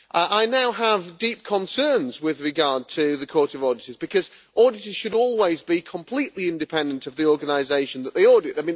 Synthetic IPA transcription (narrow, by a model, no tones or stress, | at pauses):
ʔəʔaɪnaʊəvdiˑp̚kʰə̃nsɜːnzwɪðɹɪɡɑɹd̚tʰɨðɨkʰɔɹtʌvɔːdɪtəzbɨkʰʌz | ʔɔːdɪtə˞z̥ʃɨɾɔːlˠwɪzbikʰə̃mpʰl̥iʔliɪ̃ndɨpʰɛ̃ndə̃ntəvðiɔːɹɡənaɪzeɪʃə̃nðəʔðeɪɔɹdɪtaɪmĩ